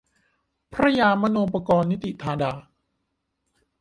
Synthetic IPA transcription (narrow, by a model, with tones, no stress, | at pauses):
pʰɾa˦˥jaː˧ma˥noː˧pa˧kɔː˧nːi˦˥t̪i˨t̪ʰaː˧daː˧